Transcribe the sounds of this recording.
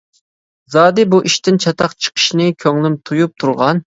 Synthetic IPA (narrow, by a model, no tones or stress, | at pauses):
zɑːd̪ɨbuʔiʃt̪ɪnt͡ʃʰɑt̪ʰɑqt͡ʃʰə̥qʰə̥ʃnɨkʲʰøŋlɪmt̪ʰujup̚t̪ʰuɾʁɑn